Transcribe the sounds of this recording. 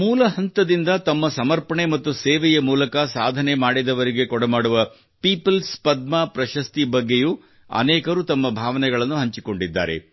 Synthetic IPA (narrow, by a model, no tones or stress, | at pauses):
muːlɐɦɐnt̪ɐd̪ind̪ɐt̪ɐmːɐsɐmɐɾpɐɳemɐt̪ːusɛːʋɛjɐmuːlɐkɐsaːd̪ʱɐnemaːɽid̪ɐʋɐɾiɡe̞kɔɽɐmaːɽuʋɐ | piːpɐlspɐd̪̚maːpɾɐʃɐst̪ibɐɡːe̞juː | ɐ̰nɛːkɐɾut̪ɐmːɐbʱaːʋɐnɛɡɐɭɐnːuɦɐɲt͡ʃiko̞ɳɖid̪ːa̰ːɾe̞̰